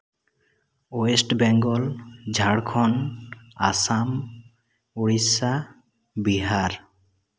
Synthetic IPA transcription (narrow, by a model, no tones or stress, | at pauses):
oesʈbɛŋɡɔld͡ʒʱaɽkʰɔna̰sam | uɹisa | biɦaɹ